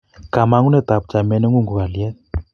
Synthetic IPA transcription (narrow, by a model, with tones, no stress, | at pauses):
ka˨ma˦ŋu˦nɛ˦˨t̪a˨p̚t͡ʃa˨mɛ˦nɛ˦ŋu˦ŋɡu˨ɣa˨ljɛ˦t̚